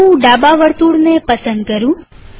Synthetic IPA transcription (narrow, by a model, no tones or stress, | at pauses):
ũɖabaʋəɾt̪uɽnepəsənd̪kəɾũ